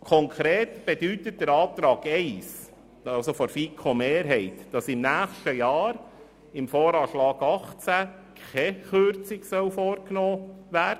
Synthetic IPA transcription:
kʰɔŋkʰɾeːt̪b̥ed̥yt̪ət̚d̥əɾɑːt̪ɾɑːɡɛɪs | ɑlsofɔɾfikʰomeːɾɦɛɪtd̥ɑsɪmnæːχʃtəjɑːɾ | ɪmfoːɾɑːʃlɑːɡ̥ɑχt͡sæ | kʰɛχøɾt͡sɪksœwfoːɾknoːʋæːɾdə

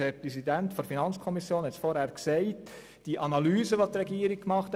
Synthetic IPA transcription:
hɛɾpʁɛsidɛntfɔnfinɑnt͡skʰɔmisjoːnɛt͡stfoɾhɛːɾkseɪt | d̥iːʔɑnɑlyːzəʋɑsd̥iɾɛɡiːɾɪk̚kmɑχt

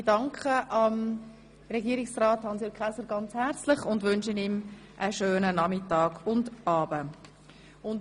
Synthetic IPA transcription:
dɑŋkʰχəʔɑm | rɛɡiːɾɪksraːthɑnsjəkʰχɛsəɾɡɑnt͡shɛɾt͡slɪχʊndʋʏnʃənim | ʔəʃøːnənɑmɪtɑːɡʊndɑːbə | ʊn

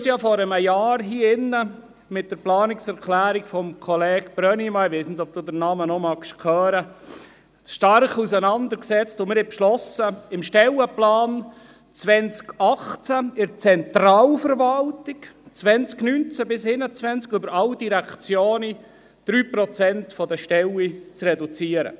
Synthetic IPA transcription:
sjɑfɔɾəməjɑːɾɦiːɪnːə | mɪt̚d̥əɾplɑːnɪksɛɾkʰlæːɾikfɔmkʰɔlɛːɡb̥ɾœnimɑɪʋeɪsnɪdɔp̚d̥uːd̪ənɑːmənɔmɑkʃkʰœːɾə | ʃtɑrkusənɑnd̪əɾksɛt͡stʊmɪɾɛpʃlɔsəɪmʃtɛləplɑːn | t͡sʋɛnt͡skɑχt͡saɪɾt͡sɛnt̪ɾɑːlfəɾʋɑltɪkt͡sʋɛnt͡sknynt͡sæbɪsɪnət͡sʋɛnt͡skʏbəɾɑld̥iɾækt͡sjoːni | d̪̥ɾyːpɾɔt͡sɛntfɔdəʃtɛlit͡srɛdut͡siəɾə̰

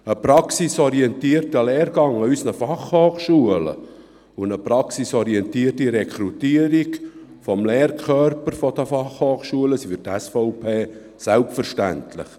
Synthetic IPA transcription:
əpɾɑksisɔɾiɛnt̪iərtəlɛːɾɡ̥ɑŋɑysnəfɑχhoːχʃuələ̰ | ʊnəpɾɑksisɔɾiɛntiːərtiɾɛkʰɾutiːəɾikfɔmleːrkʰœɾpəɾfɔd̪əfɑχhoːχʃuələsifytæsfɔʊpʰeː | sælpfəɾʃtæ̰ntlɪ̰χ

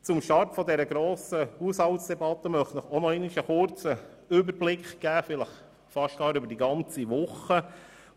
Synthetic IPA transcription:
t͡sʊmʃtɑrtfɔd̪ɛɾəɡɾoːsəhushɑltsd̥ɛbɑt̪ːəmœχtnəχɔnɔɪnɪʃəχʊɾt͡sə | ʏbəɾblɪkχɡ̥æːfɪləχ | fɑʃt̚ɡ̥ɑːɾʏbəɾd̥iɡɑnt͡siʋʊχə

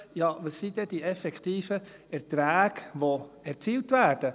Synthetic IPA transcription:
jɑvəsːidɛd̥iɛfɛkʰtiːfəɛɾtɾæːɡvoɛɾt͡siːltvæːɾd̥ə

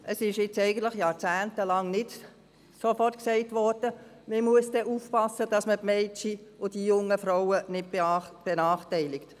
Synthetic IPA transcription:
ʔəsɪʃjɪt͡sɛɪɡəntləχjɑːɾt͡sæːntəlɑŋnɪt | sofɔrtksɛɪtʋɔɾd̥ə | məmuəsd̥ɛʔufpɑsːəd̥ɑsmətmɛɪtiʊd̥ijʊŋːəfɾoʊənɪd̚bb̥ɛnɑːχtɛɪlɪkt

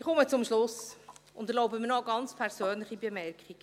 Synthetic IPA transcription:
ɪχɔmət͡sʊmʃlʊsʊndɛɾlɔʊbəmɪnɔɡɑnt͡spʰɛɾz̥øːnlɪχibemɛrkχik

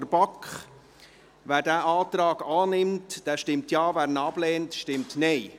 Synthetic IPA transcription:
ɾbɑkχ | ʋæːɾdæːʔɑːtɾɑːɡ̥ɑːnɪmtd̥ɛːʃtɪmtjɑːvæːɾnɑb̥lɛːntʃtɪmtnɛɪ

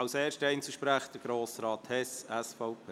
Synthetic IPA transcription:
ɑwseːɾʃtəɛɪnt͡suʃpɾæːχd̥əɡ̥ɾoːsɾɑːt̪hɛsɛsfɔʊpʰeː

